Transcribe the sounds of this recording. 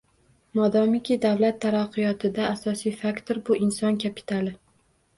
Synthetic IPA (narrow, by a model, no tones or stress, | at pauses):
mɒd̪ɒmɪkʲʰid̪awlat̪ʰːaɾaqːɨjɒt̪ʰɪd̪aːsɒsijfakt̪ʰoɾbʊʔɪnsɒnkʲʰapʰi̥t̪ʰalˠɪ